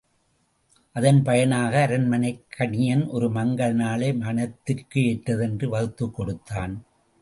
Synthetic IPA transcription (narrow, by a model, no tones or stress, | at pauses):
ʔɐðɐnpɐjɐnaːɣɐːɾɐnmɐnɐɪkʰːɐɳɪjɐnʔɔɾɯmɐŋɡɐɭnaːlɐɪmɐnɐt̪ːɯrkːɯɛʈːɐðɛndrɯʋɐɣɯt̪ːɯkːɔɽɯt̪ːaːn